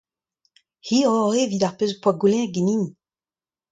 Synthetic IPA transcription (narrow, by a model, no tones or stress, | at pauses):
hiːɔʁevidaʁpøzpwaɡulɛ̃ɡinin